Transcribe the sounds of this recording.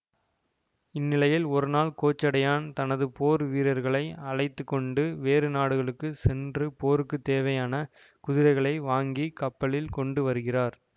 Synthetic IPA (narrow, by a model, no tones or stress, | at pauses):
ɪnːɪlɐjɪlɔɾɯnaːɭkoːt͡ʃːɐɽɐjaːnt̪ɐnɐðɯpoːɾʋiːɾɐɾɣɐɭɐɪɐɻɐɪt̪ːɯkːɔɳɖɯʋeːrɯnaːɽɯɣɐɭɯkːɯsɛndrɯpoːɾɯkːɯt̪ːeːʋɐjaːnɐ | kʊðɪɾɐɪɣɐɭɐɪʋaːŋɡikɐpːɐɭɪlkɔɳɖɯʋɐɾɯɣɪraːɾ